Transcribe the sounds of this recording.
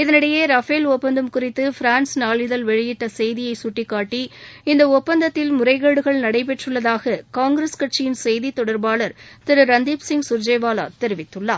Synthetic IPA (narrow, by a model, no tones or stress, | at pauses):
ɪðɐnɪɽɐjeːɾɐfeːlɔpːɐnd̪ɯmkʊrɪt̪ːɯfɪɾaːnsnaːɭɪðɐlʋɛɻɪjɪʈːɐsɛjðɪjɐɪsʊʈːɪkːaːʈːiɪnd̪ɐɔpːɐnd̪ɐt̪ːɪlmʊɾɐɪɣɐːɽɯɣɐɭnɐɽɐɪp̬ɛʈrɯɭːɐðaːɣɐkaːŋɡɾɐskɐʈ̚t͡ʃɪjɪnsɛjðit̪ɔɽɐɾbaːɭɐɾt̪ɪɾɯɾɐnd̪iːpsɪŋɡsʊɾd͡ʒeːʋaːla̰ːt̪ɛɾɪʋɪt̪ːɯɭːa̰ː